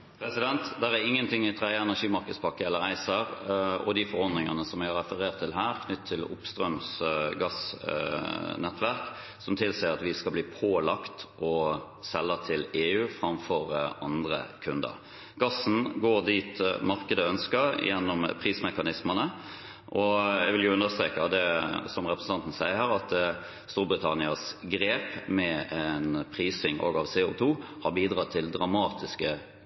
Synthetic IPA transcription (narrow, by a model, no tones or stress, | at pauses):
pʰɾɛsɪd̪ɛnt̪d̪æɾæɾɪŋːənt̪ʰɪŋːɪt̪ʰʁɑɪəɛnæʂiːmɑɾkəd̪spʰɑkːəɛlːəɾæɪsəɾɔ̰d̪ɪfɔɾɔɾd̪nɪŋənəsɔmæɪɑɾɛfəɾeːʁt̪ʰːɪlɦæːɾkʰnʏt̪ʰːɪlʊ̰pst̪ɾœmsɡɑs | nɛt̪ːʋæɾk | sɔmt̪ʰɪlsɛːəɾɑt̪ʋɪskɑlbliːpʰoːlɑkt̪ʔɔ | sɛlːət̪ʰɪleːʉːfɾɑmfɔɾʔɑnd̪ɾə̰kʰʉnd̪ə̰ɾ | ɡ̥ɑsn̩ɡoːɾd̪iːt̪mɑɾkəd̪əœnskəɾjɛnːɔmpʰʁiːsmɛkɑnɪsmənə | ʔɔjæʋɪljʊʉnd̪əst̪ɾeːkɑd̪ɛsɔmʁɛpɾəsn̩ɑnt̪n̩sæɪəɾhəɾɑt̪ | st̪uːɾbɾɪt̪ʰɑnɪɑsɡɾeːpmɛɛnpʰɾiːsɪŋʔo̰ːɡɑʋseːʊt̪ʰuːhɑɾbiːd̪ʁɑt̪ʰːɪld̪ɾɑmɑːt̪ɪskə